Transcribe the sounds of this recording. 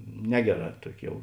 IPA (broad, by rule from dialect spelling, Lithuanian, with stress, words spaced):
ˈnʲæːɡʲɛˌrɑː ˈtuɔkʲɪ ˈjɛʊ